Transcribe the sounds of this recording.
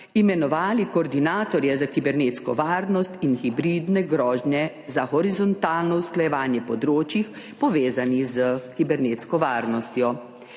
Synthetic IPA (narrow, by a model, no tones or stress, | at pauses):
imɛnɔʋaːlikɔɾd̪inaːt̪ɔɾjɛzakibɛɾneːt̪skɔʋaːɾnɔst̪inxibɾiːd̪nɛɡɾɔːʒnjɛ | zaxɔɾizɔnt̪aːlnɔwsklajɛʋaːnjɛpɔd̪ɾoːt͡ʃix | pɔʋeːzanizəkibɛɾneːt̪skɔʋaːɾnɔst̪jɔ